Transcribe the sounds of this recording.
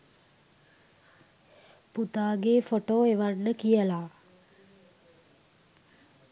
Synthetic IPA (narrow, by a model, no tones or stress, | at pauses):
put̪aːɡefoʈoːeʋanːəkijəlaː